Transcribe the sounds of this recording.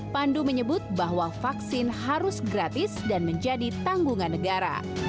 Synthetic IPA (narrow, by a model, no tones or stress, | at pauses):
panduməɲəbʊt̪̚baɦwafaksɪnhaɾʊsɡɾat̪ɪsdanməɲd͡ʒadit̪aŋɡuŋanːəɡaɾa̰